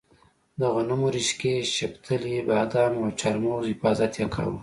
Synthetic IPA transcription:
d̪əɣʊnumoɾiʃkeʃɪpt̪ʰəlibɑd̪ɑmawt͡ʃaɾmohɪfɑːzat̪jakʰa̰wu

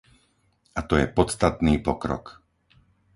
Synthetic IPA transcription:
at̪ɔjɛpɔt̪t͡st̪at̪niːpɔkɾɔ̰k

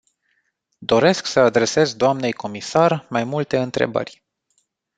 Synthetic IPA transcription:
d̪o̞ɾe̞sksəad̪ɾe̞se̞zd̪oamne̞jko̞misarmajmult̪e̞ɨnt̪ɾe̞̰bə̰rʲ

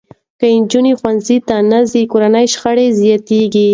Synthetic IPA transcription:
kəɪnd͡ʒunixwanzit̪anazikoɾanəjʃxəɽezjɑt̪eɡi

